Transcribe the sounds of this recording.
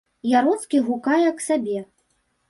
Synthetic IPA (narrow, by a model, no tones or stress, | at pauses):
jaɾɔt̪skʲiɣukajɛɐksabʲɛ